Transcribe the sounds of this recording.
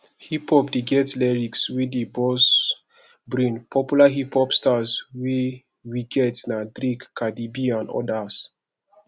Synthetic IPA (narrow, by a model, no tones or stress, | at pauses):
hipɔpdeɡɛtlɛɹikswidibɔs | bɹĩnpʰɔpjulaɦiphɔpstazwi | wiɡɛtnadɾikkːadibiãnɔ̰das